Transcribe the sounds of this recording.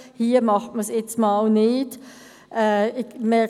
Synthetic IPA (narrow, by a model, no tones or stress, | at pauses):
hiːəmɑχtməsjɛt͡smɑːlnɪːd | ʔɛɪmɛ